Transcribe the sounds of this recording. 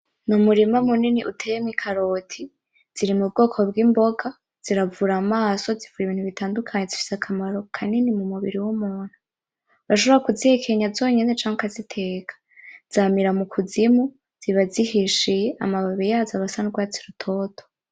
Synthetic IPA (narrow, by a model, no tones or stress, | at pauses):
numuɾimamuniniʔṵtʰejemikʰaɾo̞tʰi | z̥iɾimub̚ɡo̞ːkʰo̞bɡimbo̞ɡa | z̥iɾavuɾamaːso̞zivujiβiːnhuβitʰaːndukʰaɲezifi̥sakʰamaɾo̞kʰaninimumuβḭɾiwumuːn̥hu | βaʃ̬o̞βoɾakuzihekʰeɲazoːɲene̞t͡ʃaːŋɡakazitʰe̞ːkḁ | z̥aːmiɾamukʰuzimu | z̥iβazihiʃije̞ʔa̰maβaβijaːzaβasanuɡwaːt͡siɾutʰo̞ːtʰo̥